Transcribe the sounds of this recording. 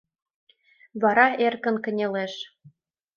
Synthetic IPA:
βɑɾɑerkə̆nkə̆nʲeleʃ

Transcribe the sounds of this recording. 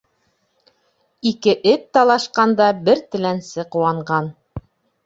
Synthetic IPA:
ikɘʔɘp̚t̪ɑlˠɑʃqɑnd̪ɑbɘɾt̪ɘ̆lænsɘquwɑɴɢɑn

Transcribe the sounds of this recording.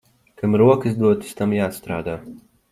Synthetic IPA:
kamɾuɔkɨsd̪uɔt̪ɨ̥st̪amjaːst̪ɾaːd̪aː

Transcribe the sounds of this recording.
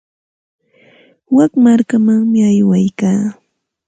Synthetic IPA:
wakmaɾkamaŋmɪajwajkaː

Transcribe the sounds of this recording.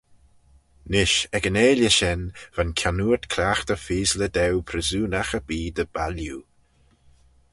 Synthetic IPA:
nɪʃɛɡəneːləʃɛnv̥ankʰanuːt̪kʰɾaːxt̪əfiːzləd̪ɛwpʰɾəzuːnaxəb̥iːd̪əbalju

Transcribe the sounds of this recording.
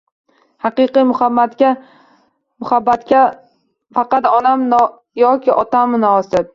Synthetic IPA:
hɑqɨqɨjmʊhabːat̪kʲa | mʊhabːat̪kʲa | fɑqɑt̪ɒnamn | jɒkʲɪʔɒt̪amnɒːsɪd̪

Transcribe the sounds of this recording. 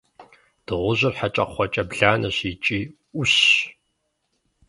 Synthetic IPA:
d̥ɨʁʷʊʑɪrħat͡ʃʼɐqχʷɔt͡ʃʼɐbɮaːnɐɕit͡ʃʼiː | ʔʊɕ

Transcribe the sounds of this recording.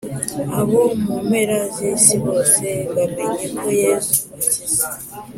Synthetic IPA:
aβomumeɾazesiβoseβameɲimojezuβatiza

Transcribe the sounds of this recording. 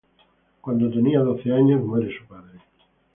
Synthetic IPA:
kwand̪ot̪eniaðoθeaɲozmweɾesupaðɾe

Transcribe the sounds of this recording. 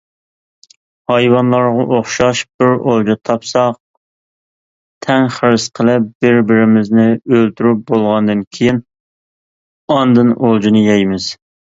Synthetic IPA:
hɑjwɑnlˠɑɾʁɑʔoχʃɑʃb̥ɪɾolˠd͡ʒɑt̪ʰɑpsɑq̚ | t̪ʰɛŋχəɾɨsqʰəlˠɪp̚b̥ɪɾbɪɾɪmɪznɪølt̪ʰyɾyp̚bolˠʁɑnd̪ɨnkʲʰejin | ɑnd̪ɨnolˠd͡ʒinɨjɛjmɪz̥

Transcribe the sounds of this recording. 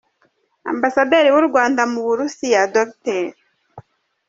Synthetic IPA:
a̰mbasadeɾiwuɾɡwaːndamuβuɾusijadokteɾ

